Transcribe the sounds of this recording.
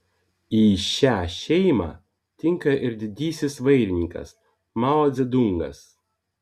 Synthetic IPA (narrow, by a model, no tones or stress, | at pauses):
iːʃʲæːʃʲɛɪmɑ̰ː | t̪ʲɪŋkɐʔɪɾd̪ʲɪd̪ʲiːsʲɪsʋɐɪɾʲɪnʲiŋkɐ̰s | mɑlˠɔd̪zʲɛd̪ʊŋɡɐ̰s